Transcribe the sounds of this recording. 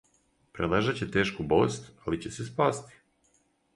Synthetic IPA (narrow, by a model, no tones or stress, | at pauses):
pɾed̪lˠaʒat͡ɕet̪e̞ːʃkubo̰st̪alit͡ɕesespaːst̪i̥